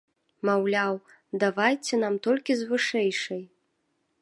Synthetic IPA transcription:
mawlʲaw | d̪avajt͡sʲɛn̪amt̪ɔlʲkʲizvɨʂɛjʂɐj

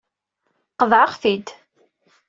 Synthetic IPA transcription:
qəðʕaχθid̪

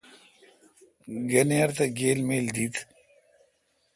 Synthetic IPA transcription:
ɡɐneɐɾt̪ɐɡeːlmeːld̪it̪

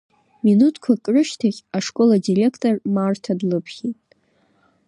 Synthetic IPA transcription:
minutʰkʷʰakʼrɨʃtʰaχʲaʂkʼo̞ladirʲe̞kʰtʼormartʰadlɨpʰχʲitʼ

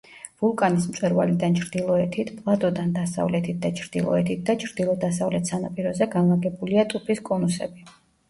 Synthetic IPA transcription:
vulˠkʼanismt̪ʼwɛɾva̰lid̪ant͡ʃʰɾd̪ilˠɔɛt̪ʰit̪ʰpʼlˠat̪ʼɔd̪and̪asa̰vlɛt̪ʰit̪̚ʰd̪at͡ʃʰɾd̪̥ilˠɔ̰ɛt̪ʰit̪̚d̪at͡ʃʰɾd̪̥ilˠɔd̪asavlɛt̪ʰsanapʼiɾɔzɛɡanlˠaɡɛbuliat̪ʼupʰiskʼɔnusɛ̰bi

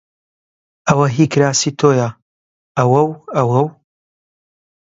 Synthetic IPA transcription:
ɐwɐɦikɾaːsiːt̪ʰoːja | ɐwɐwɐwɐw

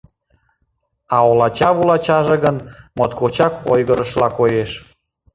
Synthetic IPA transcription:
ɑolɑt͡ɕɑβulɑt͡ɕɑʒĕɣənmot̪kot͡ɕɑko̰jɣəɾəʃlɑkojeʃ

